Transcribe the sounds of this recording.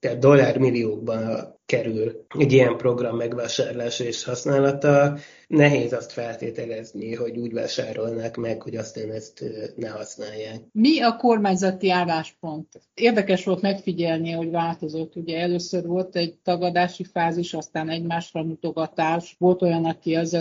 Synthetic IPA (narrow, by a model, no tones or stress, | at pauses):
t̪ɛːt̪̚d̪o̞lːaːrmilːioːɡ̚bɒnkɛɾylɛɟijɛmpro̞ɡrɒmːɛɡʋaːʃaːɾolaːʃɒeʃhɒsnaːlɒt̪ɒ | nɛɦeːzɒst̪fɛlt̪eːt̪ɛlɛzniɦo̞ɟuːɟva̰ːʃaːɾo̞lnaːkmɛkho̞ɟɒst̪aːnɛst̪nɛɦɒsnaːjːaːkmiɒko̞rmaːɲzɒt̪iaːlːaːʃpo̞nt̪ | eːrd̪ɛkɛʃʋo̞lt̪mɛkfiɟɛlniɦo̞ɟʋaːlt̪o̞zo̞t̪ːuɟɛɛløːsørʋo̞lt̪ɛɟt̪ɒɡɒd̪aːʃifaːziʃɒst̪aːnɛɟmaːʃrɒnut̪o̞ɡɒt̪aːʃʋo̞lt̪o̞jɒnɒkiɛz